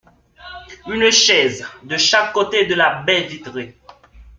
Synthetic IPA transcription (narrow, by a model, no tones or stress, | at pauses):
ynʃɛzd̪əʃakːot̪ed̪əlabɛlvit̪ʁe